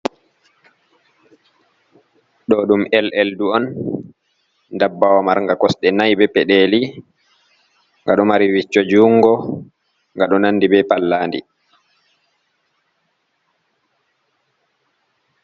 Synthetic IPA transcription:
ɗɔɗumɛlʔɛlduɔn | dabːawamaɾŋɡakɔsɗɛnajbɛpɛɗeːli | ŋɡaɗɔmaɾiwit͡ʃːɔd͡ʒuːŋɡɔ | ŋɡaɗɔnandibɛpalːaːndḭ

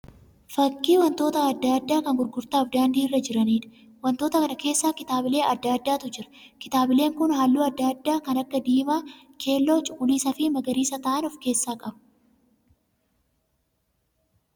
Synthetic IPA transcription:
fɐkːiːwɐnt̪o̞ːt̪ɐɐd̪ːaːd̪ːaːkɐŋɡʊɾɡʊɾt̪aːfd̪aːnd̪iːɪrːɐd͡ʒɪɾɐniːᶑɐ̥ | wɐnt̪o̞ːt̪ɐkɐnɐke̞ːsːaːkɪt̪aːbɪle̞ːʔɐd̪ːaːd̪ːaːt̪ʊd͡ʒɪɾɐ̥ | kɪt̪aːbɪle̞ːŋkʊnhaːlːuːɐd̪ːaːd̪ːaːkɐnɐkːɐd̪iːmaː | kʰe̞ːlːo̞ːt͡ʃʼʊ̥kʼːʊliːsɐfɪmɐɡɐɾiːsɐt̪ɐːʔɐnɔfke̞ːsːaːkʼɐbɐ̥

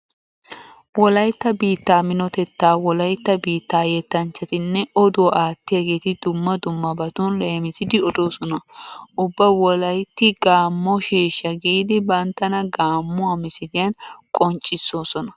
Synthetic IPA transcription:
wɔlɐjt̪ːɐbiːt̪ːaːmɪnɔt̪ɛt̪ːaːwɔlɐjt̪ːɐbiːt̪ːaːjɛt̪ːɐnt͡ʃːɐt̪ɪnːɛɔd̪ʊwʔaːt̪ːɪjɐɡe̞ːt̪ɪd̪ʊmːɐd̪ʊmːɐbɐt̪ʊnle̞ːmɪsɪd̪ɪɔd̪o̞ːsɔnɐʔʊbːɐwɔlɐjt̪ːɪɡaːmːɔʃeːʃːɐɡiːd̪ɪbɐnt̪ːɐnɐɡaːmːʊamɪsɪd̪ɪjɐnkʼɔnt͡ʃʼːɪsːo̞ːsɔnɐ

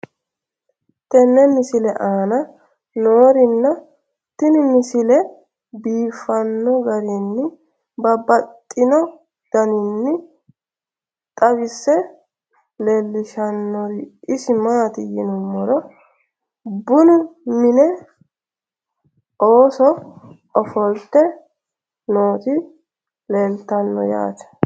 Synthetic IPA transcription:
t̪ɛnːɛmɪsɪlɛʔaːnɐ | noːɾɪnːɐ | t̪ːɪnɪmɪsɪlɛ | biːfːɐnːɔɡɐɾɪnːɪ | bɐbɐt̪ʼːɪnɔ | d̪̥ɐnɪnːɪ | t̪ʼɐbɪsːɛ | leːlːɪʃɐnːɔɾɪʔɪsɪmaːt̪ɪjɪnʊmːɔɾɔ | bʊnʊmɪnɛ | ʔoːsɔ | ɔfɔlt̪ɛ | no̞ːt̪ɪ | leːlt̪ɐnːɔ̰ja̰ːt̪ɛ̥

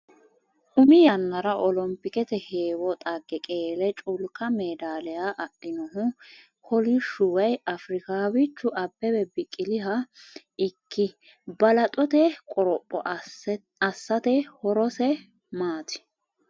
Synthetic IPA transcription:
ʔʊmɪjɐnːɐɾɐʔɔlɔmpːɪkɛt̪ɛheːwɔt̪ʼɐɡːɛkʼeːlɛt͡ʃʼʊlkɐmeːd̪aːlɛjaːʔɐʔɪnɔɦʊ | kʰɔlɪʃʊwɐjɐfɾɪkaːwɪt͡ʃːʊʔɐbːɛbɛbɪkʼːɪlɪɦɐ | ɪkʰːɪ | bɐlɐt̪ʼɔt̪ɛkʼɔɾɔpʼːɔ̰ | ɐsːɐt̪ɛhɔɾɔsɛ | maːt̪ɪ̥

